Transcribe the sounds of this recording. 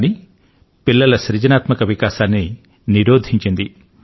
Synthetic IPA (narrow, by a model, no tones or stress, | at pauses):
ni | pilːɐlɐʃɾid͡ʒɐnaːt̪mɐkɐʋikaːʃaːnːi | niɾoːd̪ʱiɲt͡ʃind̪i